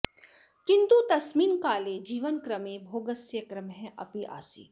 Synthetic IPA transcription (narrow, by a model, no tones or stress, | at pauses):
kɪ̃nt̪ut̪ɐsmiːnkaːled͡ʒiːʋənkɾɐmẽbʱoːɡəsjɐkɾɐmɦɛ̃ʔɐ̰piʔa̰ːsḭː